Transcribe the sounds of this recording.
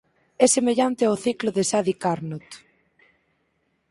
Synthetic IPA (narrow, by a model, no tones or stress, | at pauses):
ɛsemeʎant̪eoθikloðesaðikaɾnot̪